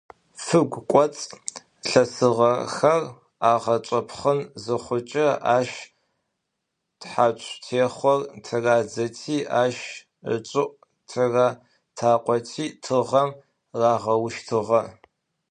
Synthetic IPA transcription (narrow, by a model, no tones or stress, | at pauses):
fɨɡʷkʷʼɔt͡sʼ | ɬɐsɨʁɐxɐr | aːʁɐt͡ʃʷʼɐpʰχənzɨχʷʊt͡ʃʼɐaːʃ | tħaːt͡ʃʷʼtʰeːχʷɔrtʰɨraːd͡zɐtʰiːʔaːʃ | ə̰t͡ʃʷʼɪʔ | tʰɨraː | tʰaːqʷʼɔtʰiːtʰɨʁɐm | raːʁɐwʃtʰɨʁɐ